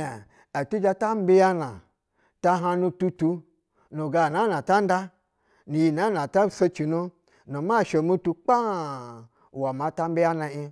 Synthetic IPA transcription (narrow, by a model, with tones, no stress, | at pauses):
e˨ | a˨tu˦d͡ʒa˧ta˦m̩˦be˧ja˦na˨ | ta˧ɦa˧nũ˧tu˧tu˧ | no˨ɡa˨na˨˦na˨ta˦n̩˦da˦ | ni˨ji˨na˨˦na˨ta˦so˧t͡ʃi˨nu˧ | no˨ma˦˨ʃo˨mu˦tu˧k͡pa˦˨ | wa˨ma˨˧ta˦m˦be˦ja˦na˧i˧